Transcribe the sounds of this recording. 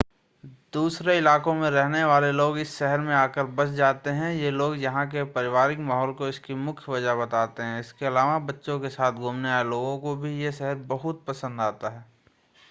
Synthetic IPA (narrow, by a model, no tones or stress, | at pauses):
d̪uːsɾeɪlaːkõmẽɾɛɦneʋaːleloːɡɪsːɛɦəɾmẽaːkəɾbɐsd͡ʒaːt̪eɦɛ̃jeloːɡjɐɦãk̬epɐɾɪʋaːɾɪkmaːɦɔːlkoɪskimʊkʰjʋɐd͡ʒaɦbɐt̪aːt̪eɦɛ̃ɪskeɐlaːʋabɐtːʃõkesaːt̪ʰɡʱuːmneaːeloːɡõkobʱijeʃɛɦəɾbɐɦʊt̪̚pɐsə̃nd̪aːt̪aɦɛː